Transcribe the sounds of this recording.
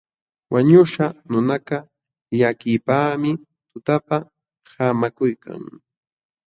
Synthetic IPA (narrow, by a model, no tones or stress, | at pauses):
wʔaɲʊʃanʊnaka | ʎakɪpaːmɪ | t̪ʊt̪apa | hamakʊjkʰa̰ŋ